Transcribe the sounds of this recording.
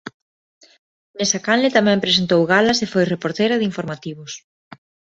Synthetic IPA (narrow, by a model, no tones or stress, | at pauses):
nesakanlet̪amɛ̃mpɾesent̪owɣalɐsefojrepoɾt̪eɾɐðɪiɱfoɾmat̪iβ̞os